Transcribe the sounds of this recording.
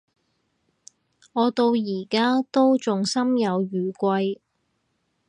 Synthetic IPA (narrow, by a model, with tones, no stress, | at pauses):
ŋɔː˨˧t̪o˧wjiː˨˩kaː˥t̪o˥wt͡sʊ˨ŋsɐ˥mjɐ˨˧wjyː˨kʷɐ˧j